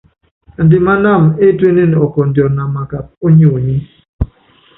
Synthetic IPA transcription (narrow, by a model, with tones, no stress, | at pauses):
ndɪ˨ma˦na˦˨me˦twe˦ne˦n˨ɔ˨kɔ˨ndjɔ˨na˨ma˨ka˨p̚o˦ɲo˦˨ɲi˦